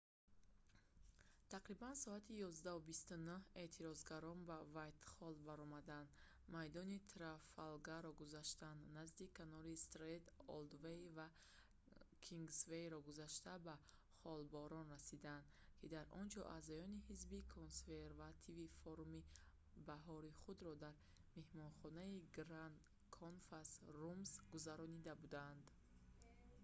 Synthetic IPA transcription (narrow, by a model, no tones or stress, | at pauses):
t̪ʰaqɾibansɔat̪ʰijɔzd̪aɦubist̪unuhe̞t̪ʰiɾɔzɡaɾɔnbavajt̪χɔlbaɾɔmad̪and̪ | majd̪ɔnit̪ʰɾafalɡaɾɔɡuzaʃt̪and̪nazd̪ikʰanɔlist̪ɾed̪ɔ̰ld̪vejva | kʰiŋɡsvejɾɔɡuzaʃt̪aba | χɔlbɔɾɔnrasid̪and̪ | kʰid̪aɾɔnd͡ʒɔ̰ʔa̰zɔjɔnihizbikʰonsveɾvat̪ʰivifɔɾumi | baɦɔɾiχud̪ɾɔd̪aɾ | me̞hmɔnχɔnaiɡɾan | kʰonfasrumsɡuzaɾɔnid̪abud̪and̪